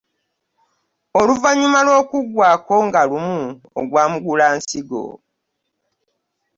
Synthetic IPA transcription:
oluvaɲːumalwo̞ːkuɡwaːko̞ŋɡalumu | o̰ɡwaːmuɡulaːnsiɡo̰

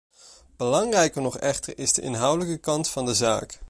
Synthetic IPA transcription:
b̥əlɑŋrɛjkəɹnɔχɛχtəɹɪzdəʔɪ̰nɦʌwdələkəkɑntfɑndəza̰ːk

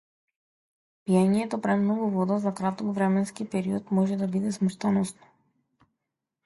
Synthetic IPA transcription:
pijaɲiɛt̪ɔpɾɛmnɔɡuvɔd̪azakɾat̪ɔkvɾɛmɛnskipɛɾiɔt̪mɔʒɛd̪abid̪ɛsmuʃt̪anɔsnɔ̥

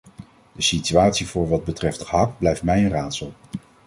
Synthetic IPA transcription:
d̥əsityaːtsivʊːɹʋɑd̚bətrɛftɑk̚blɛjftmɛjənraːtsəlˠ

